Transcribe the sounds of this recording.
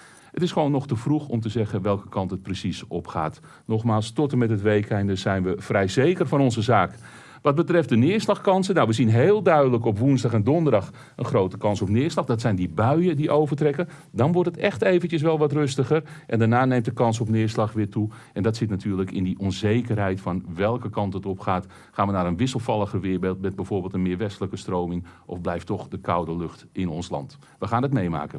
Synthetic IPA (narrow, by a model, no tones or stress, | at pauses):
ətɪsxəʋoːnːɔxtəfruxɔmtəzɛɣənʋɛlˠkə̥kɑntɦət̚prəsisɔpxa̰ːt | nɔxmaːlˠstɔtəmɛtətʋejkɛjndəzɛjnʋəfrɛjzejkərfɑnɔnzəzaːk | ʋɑt̚bətrɛft̚dənɪːərslɑxkɑnsənːawʋəzinɦeːlˠdœɥdələkɔpʋunzdɑxɛndɔndərdɑx | ənxrowtəkɑnsɔpnɪːɹslɑxdɔtsɛjndibœɥədiʔowvərtrɛkə | dɑnʋɔɹtətɛxtejvəncəs̬ʋɛlˠʋɑtrøstəχərʔɛndanaːnejmtdəkɑnsɔpnɪːɹslɑxʋɪːtu | ʔɛndɑtsɪtnatʰyːɹləkɪndiʔɔnzejkərɦɛjtfɑnʋɛlˠkəkɑntətɔpχaːt | χaːnʋənaːɾənʋɪsəlˠfɑlˠəxərʋɪːɹbeːlˠt̚bɛt̚bɛjv̥oːɹbeːlˠtənmɪːɹʋɛstələkəstrowmɪŋʔɔ̰vblɛjftɔχdəkawdəlɵxtɪnɔnslɑ̰nt | ʋəxaːndətmejma̰ːkən